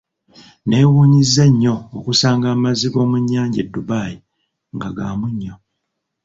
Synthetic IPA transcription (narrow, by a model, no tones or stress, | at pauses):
ne̞ːwuːɲizːeɲːo̞ːkusaːŋɡaːmaziɡo̞ːmuɲːaːɲɟedːubaːji | ŋɡaɡaːmuɲːo̞